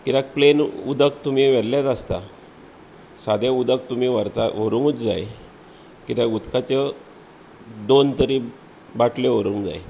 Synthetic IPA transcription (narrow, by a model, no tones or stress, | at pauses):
kiɾak̚plenṵd̪ək̚t̪um̤iʋɛɽljat̪ast̪a | sad̪jaud̪ək̚t̪umiʋəɾt̪aʋəɾũŋɡut͡sd͡za̰j | kit̪jaɡut̪kʰat͡ɕe | d̪ont̪əɾiː | baʈʰleʋəɾuŋɡd͡za̰j